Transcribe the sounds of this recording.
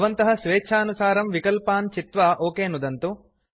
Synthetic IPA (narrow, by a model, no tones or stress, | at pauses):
ʋɐnt̪ɐɦɐsʋeːt͡ʃʰaːnusaːɾɐmʋikɐlpaːnt͡ʃit̪ʋaʔoːkeːnud̪ɐnt̪u